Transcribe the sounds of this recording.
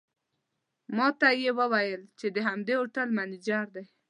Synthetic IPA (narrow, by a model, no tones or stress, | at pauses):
mɑt̪ajewəwajəlt͡ʃed̪əɦamd̪eoʈəlmanid͡ʒaɾd̪aj